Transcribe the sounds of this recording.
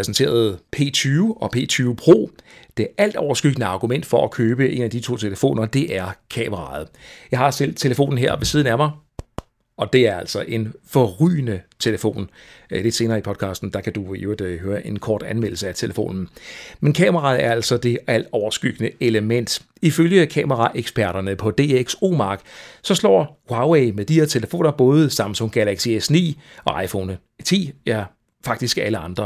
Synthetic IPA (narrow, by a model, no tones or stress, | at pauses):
pʁɛsent͡sʰe̝̰ːɐð̞̩ˠpʰe̝̰ːt͡sʰyːʔɒ̽pʰe̝̰ːt͡sʰyːʊpʰʁo̝̰ːd̥e̝ʔæl̰d̥ɒʊɐsɡ̥yɡ̥ənəɑ̈ɡ̥umen̰d̥fɒ̽ʔækʰøːb̥əʔe̝̰næd̥it͡sʰo̝̰ːt͡sʰe̝ləfo̝̰ːnɐd̥e̝ʔæɐkʰɛ̰ːməʁɑ̈ð̞̩ˠjɑ̈ɪhɑ̈sel̰d̥̚t͡sʰe̝ləfo̝̰ːn̩ɦeɐ̰ʋe̝siːð̞ˠn̩æmɑ̈ɪ | ɒ̽d̥e̝æɐæl̰sɒ̽ʔe̝nfɒʁy̰ːnət͡sʰe̝ləfo̝̰ːn | le̝d̥se̝ːnɐːipʰɒ̽d̥̚kʰɑ̰̈ːsd̥n̩d̥ɑ̈kʰæd̥ued̥høːɐʔe̝nkʰɒ̰ːd̥ænmel̰̩səæt͡sʰe̝ləfo̝̰ːnn̩menkʰɛ̰ːmɐʁɑ̈ð̩ˠæɐæl̰sɒd̥e̝æl̰d̥ɒʊɐsɡ̥yɡ̥nəe̝ləmen̰d̥ | iføljəkʰɛ̰ːmɐʁɑ̈ʔeɡ̥spʰæɐ̰ɾ̥ɐnəpʰɒ̽d̥e̝̰ːeɡ̥so̝̰ːmɑ̈ːɡ̥sɒ̽slɒ̰ːwɑ̈weɪmeðˠd̥ihe̝ɐt͡sʰe̝ləfo̝̰ːnɐb̥ɔ̽ːð̞ˠəsɑ̈m̰n̩sɒ̽ŋɡ̥ælɑɡ̥siesnḭːʔɒ̽ʔɑ̈ɪfɔ̰ːnə | t͡sʰḭːjæ | fɑ̈ɡ̥̚d̥isɡ̥æləɑ̈nd̥ʁɐ